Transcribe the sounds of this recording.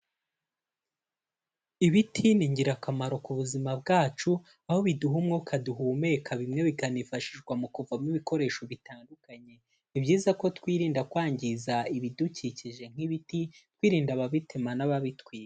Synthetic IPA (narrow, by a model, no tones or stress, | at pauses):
iβitʰiniɲɟiɾakamaɾo̞kuβuzimab̚ɡaːt͡ʃu | aho̞βiduɦumŋokʰaduɦume̞kʰaβimŋe̞βikanifaʃiʒɡwamukuvamniβiko̞ɾe̞ːʃo̞βitaːndukaɲe̞ | ibɟiːzako̞twiːɾiːndakwaːɲɟizaiβiduciciʒe̞ŋ̥iβitit̚wiːɾiːndaβaβitʰemanaβaβitwiːɾe